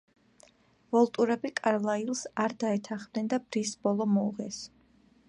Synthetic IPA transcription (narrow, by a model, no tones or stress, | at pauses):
vɔlˠt̪ʼuɾɛbikʼaɾlˠailˠsaɾd̪aɛt̪ʰaχm̥d̪ɛnd̪abɾisbɔlˠɔmɔuʁɛs